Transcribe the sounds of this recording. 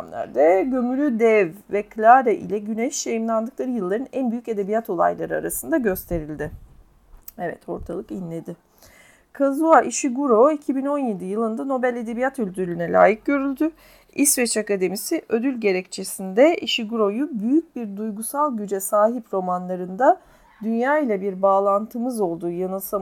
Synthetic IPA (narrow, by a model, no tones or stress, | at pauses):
amlˠa̰ɾd̪ɛɟø̞mylʲyd̪ɛvvɛkʰlʲaɾɛʔḭlʲɛɟynɛʃjajɯmlˠand̪ɯklˠaɾɯjɯlˠːaɾɯnænbyjyce̞d̪e̞bijat̪ʰo̞lˠa̰jlˠaɾɯa̰ɾasɯnd̪aɟø̞st̪ʰe̞ɾilʲd̪ɪ | ɛvɛ̰t̪ʰo̞̰ɾt̪ʰalˠɯkinlʲe̞d̪ɪ | kʰazuaʔiʃiɡuɾo̞icʰibino̞nje̞d̪ijɯlˠɯnd̪ano̞bælʲe̞d̪e̞bijat̪ylʲd̪yɾlʲynɛlʲa̰ːjɯk̚ɟø̞ɾylʲd̪y | isvɛt͡ʃakad̪e̞misiʔød̪ylʲɟe̞ɾɛct͡ʃʰe̞sind̪ɛiʃiɡuɾo̞jubyjyc̚biɾd̪ujɡusalˠɟyd͡ʒɛsaːɦipɾo̞manlˠaɾɯnd̪a | d̪ynjaːilʲabiɾbaːlˠant̪ʰɯmɯzo̞lˠd̪uːjanɯsa